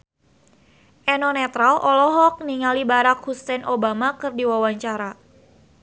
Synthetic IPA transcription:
ʔɛnɔnɛt̪ɾalʔɔlɔɦɔk̚niŋalibaɾakhust̪ɛnʔobamakɨrdiwawaɲt͡ʃaɾa

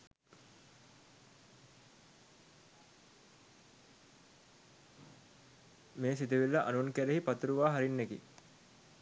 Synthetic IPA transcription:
meːsit̪̬iʋilːəʔa̰nunkæɾeɦipat̪uɾuʋaːɦaɾinːekḭ

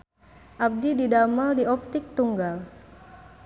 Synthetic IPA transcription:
ʔab̚dididamaldiɔp̚t̪ɪk̚t̪uŋɡal

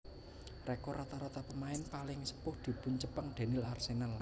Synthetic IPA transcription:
rɛkɔɾat̪aɾat̪apəmaɪnpalɪŋsə̥pʊhd̪̥i̤pʊɲt͡ʃəpəŋɖ̪̥a̤nɪlarsenal

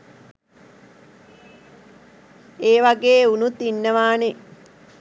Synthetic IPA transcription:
eːʋaɡeːunut̪inːəʋaːne

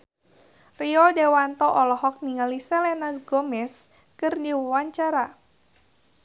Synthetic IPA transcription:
riɔdewant̪ɔʔɔlɔɦɔk̚niŋalisɛlɛnasɡɔmɛs | kɨrdiwəwaɲt͡ʃaɾa

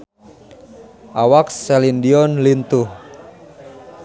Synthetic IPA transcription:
ʔawaksɛlindiɔnlint̪uh

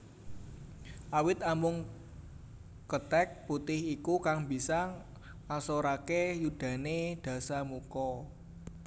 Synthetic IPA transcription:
ʔawɪt̪amʊŋ | kət̪ɛk̚put̪ɪhikukaŋbisa | asoɾakejud̥ä̤ned̪̥ä̤samukɔ

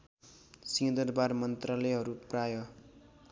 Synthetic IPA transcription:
sid̪ʌrbarmʌnt̪ralʌjɦʌɾuprajʌ

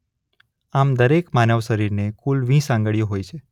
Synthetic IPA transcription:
amd̪əɾekmanəʋʃəɾiɾnekulʋĩsãŋɡəɭijoɦojt͡ʃʰe

